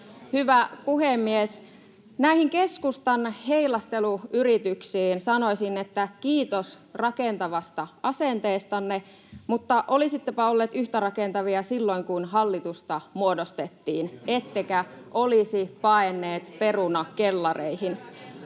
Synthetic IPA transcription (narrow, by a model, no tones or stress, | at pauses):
hyʋæpuhemːies | næihiŋke̞skust̪ɑnheilɑst̪eluyɾit̪yksiːnsɑnoisinːet̪ːækiːt̪os | rɑkent̪ɑʋɑst̪ɑɑsent̪eːst̪ɑnːe | mut̪ːɑʔolisit̪ːepæolːeːt̪yht̪ærɑkent̪ɑʋiɑsilːoiŋkunɦɑlːit̪ust̪ɑmuodost̪et̪ːiːnet̪ːekæʔolisipɑenːeːt̪pe̞runɑkelːɑreihin